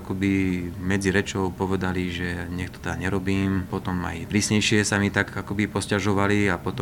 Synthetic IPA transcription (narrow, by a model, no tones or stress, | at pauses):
akɔbimɛd͡ziɾɛt͡ʃɔʊpɔʋɛd̪aliʒɛɲɛxt̪ɔ̥t̪ɛɲɛɾɔbiːmpɔt̪ɔma̰jpɾiːsɲɛjʃɪɛsamit̪aɡakɔbipɔscaʒɔʋaliapɔt̪ɔ